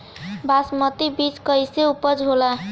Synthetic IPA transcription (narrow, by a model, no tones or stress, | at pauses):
basmət̪ibit͡ʃkəjseupəd͡ʒɦola